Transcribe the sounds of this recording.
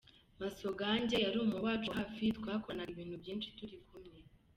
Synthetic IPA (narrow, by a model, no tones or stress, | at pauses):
masoɡaːɲɟejaɾuːmuwaːt͡ʃuɦafitkwaːkonaiβiːnhubɟiːnʃi̥tuɾikumɲe